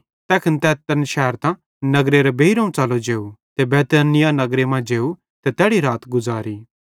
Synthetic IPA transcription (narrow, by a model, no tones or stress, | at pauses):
t̪ɛːkʰɪnt̪ɛːt̪ɐnʃɛɦəɾt̪ã | nɐɡɾeɾebeːiɾõũt͡ʃalod͡ʒeːut̪ebɛːt̪əːnɪjanɐɡɾemãd͡ʒeːu | t̪ɛt̪ɛːɽiɾaːt̪ɡʊzaːɾiː